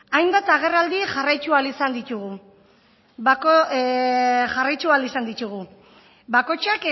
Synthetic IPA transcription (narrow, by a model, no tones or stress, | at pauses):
ajmbat̪aɣ̞e̞rald̪iʝarajt͡ʃualisand̪it̪uɣ̞u | ako | ʝarajt͡ʃualisand̪it̪uɣ̞u | bakot͡ʃak